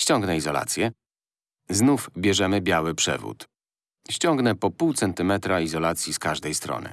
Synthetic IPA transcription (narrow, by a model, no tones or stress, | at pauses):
ɕt͡ɕɔŋɡnɛizɔla̰t̪sʲjɛ | znufbʲjɛʐɛmɘbʲjawɘpʂɛ̰vṵt̪ | ɕt͡ɕɔŋɡnɛpɔpuwt̪sɛnt̪ɘmɛt̪ɾaizɔlat̪sʲjiskaʐd̪ɛjst̪ɾɔ̰nɘ̰